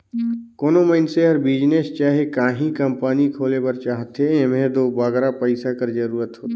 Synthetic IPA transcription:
koːnoməɪnseəɾbiːd͡ʒnest͡ʃaːɦekaːɦĩkəmpaːnikʰoːlepəɾt͡ʃaːɦət̪ɦeemẽd̪oːbaːɡɾapəɪsakəɾd͡ʒɐɾuːɾət̪ɦoːt̪ː

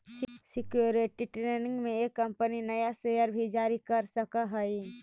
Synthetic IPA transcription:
ssɪkjuɾeʈiʈɾeːnɪ̃ŋɡmẽeːkːɐ̃mpəninɐjaseːjəɾbʱid͡ʒaːɾikɐɾsəkaɦɐi

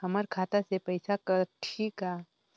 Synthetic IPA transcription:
həməɾkʰaːt̪asepɐjsakəɾʈʰiːkɦaː

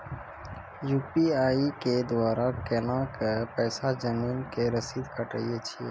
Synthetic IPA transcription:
juːpiaːiked̪ʋaːɾakenãkepɛːsad͡ʒəmiːnkeɾəsid̪kəʈə̰ijet͡ʃʰiḛ

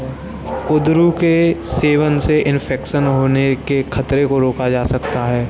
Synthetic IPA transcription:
kʊd̪ɾukeseːʋənseʔɪnpʰɛːkʃənɦoːnekekʰɐt̪ɾekoɾoːkad͡ʒaːsɐkt̪aɦɛː

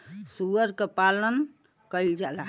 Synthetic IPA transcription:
suʋəɾkepalən | kəjld͡ʒala

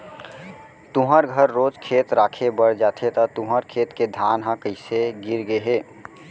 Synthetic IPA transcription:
t̪uɦəɾɡʱəɾːoːd͡ʒkʰeːt̪ɾaːkʰebəɽd͡ʒaːt̪ʰet̪ət̪uɦəɾkʰeːt̪ked̪ʱaːnɦə̃kəɪseɡiɾɡeɦeː

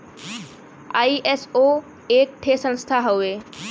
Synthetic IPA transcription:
aːiʔeso | eːk̚ʈʰesə̃nst̪ʰaɦoe

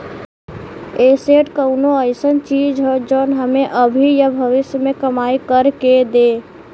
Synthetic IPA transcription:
eːseʈkəʊnoəɪsənt͡ʃiːd͡ʒɦɛd͡ʒɔːnɦəmẽʔəbʱijəbʱəʋɪsjəmẽkəmaːikəɾked̪eː

